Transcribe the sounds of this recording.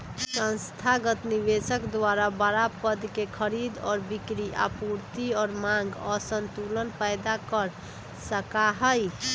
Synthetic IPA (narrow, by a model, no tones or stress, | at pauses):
sə̃nst̪ʰaɡət̪niβesəkd̪waɾabəɾapəd̪kekʰəɾid̪ɔːɾbikɾia̰puɾt̪iɔːɾmãŋɡɔsənt̪ulənpəjd̪akəɾ | səkaɦəj